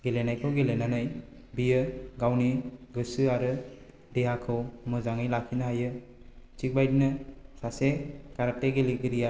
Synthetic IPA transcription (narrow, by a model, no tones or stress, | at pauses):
ɡelenajkʰɯwɡelenanɯj | bijɯɡawniɡɯsɯaɾɯ | deɦakʰɯwmɯzaŋɯjlakʰinaɦajɯ | t͡ʃik̚bajdinɯsasekaɾateɡeliɡɯɾija